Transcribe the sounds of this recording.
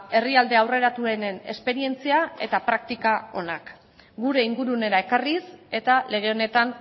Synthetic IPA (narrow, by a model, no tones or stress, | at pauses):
e̞riald̪e̞awre̞ɾat̪ue̞ne̞ne̞̰spe̞ɾie̞nt͡siae̞t̪apɾak̚t̪ikao̞nak | ɡuɾe̞iŋɡuɾune̞ɾae̞karise̞t̪ale̞ɣ̞e̞o̞ne̞t̪an